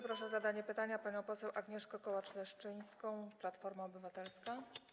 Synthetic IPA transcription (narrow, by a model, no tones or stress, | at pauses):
pɾɔʂɛɔzad̪aɲɛpɘt̪aɲapaɲɔ̃w̃pɔsɛwʔaɡɲɛʂkɔkɔwat͡ʂlɛʂt͡ʂɘj̃skɔ̃w̃plat̪fɔɾmaɔbɘvat̪ɛlska